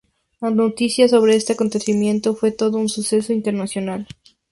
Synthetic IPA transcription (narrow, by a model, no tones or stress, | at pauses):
lanot̪isjaso̞β̞ɾe̞est̪e̞ako̞nt̪e̞simjẽ̞nt̪o̞fwe̞t̪o̞ðounsuse̞so̞int̪e̞ɾnasjonal